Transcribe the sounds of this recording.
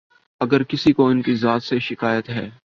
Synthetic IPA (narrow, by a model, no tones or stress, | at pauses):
ɐɡəɾkɪsikoɪnkizaːt̪seʃɪkaːjət̪ɦɛː